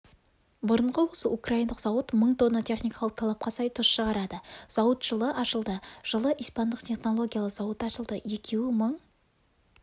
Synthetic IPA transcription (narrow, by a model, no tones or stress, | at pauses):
bʊɾəɴʁəwo̞səukrajijnd̪əqzɑwət̪məɴt̪ʰo̞nːot̪ʲʰe̞χnijkɑlˠəq̚t̪ʰɑlˠɑp̚qɑsɑjt̪ʰʊsʃəʁɑɾɑd̪əz̥ɑwət̪ʒ̥əlˠəʔɑʃəlˠd̪əʒ̥əlˠəʔijspɑnd̪əqt̪ʲʰe̞χno̞lˠo̞ɡʲijalˠəz̥ɑwət̪ɑʃəlˠd̪əje̞kʲʰe̞wɪməɴ